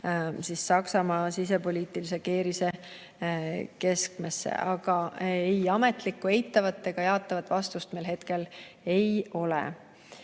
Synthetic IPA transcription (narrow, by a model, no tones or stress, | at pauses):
sisːɑksɑmɑːsis̬e̞po̞lʲiːt̪ˑilise̞ke̞ːɾise̞ | ke̞skme̞sːḛʔɑɡ̥ɑejɑme̞t̪ˑlikːˑue̞jt̪ˑːɑvɑt̪ːe̞ɡ̥ɑjɑːt̪ːˑɑvɑt̪ːˑvɑst̪ust̪me̞jlɦe̞t̪ke̞l | e̞jo̞lḛ